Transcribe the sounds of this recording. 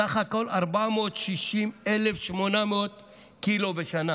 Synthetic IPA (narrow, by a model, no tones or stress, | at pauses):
aχakolaɾbamo̞t̪ʃiʃimelefʃmonameot̪ | kiloveʃana